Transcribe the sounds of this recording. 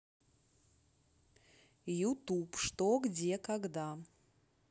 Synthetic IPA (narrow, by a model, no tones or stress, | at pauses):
jut̪upʂt̪oɡd͡zʲekaɡd̪a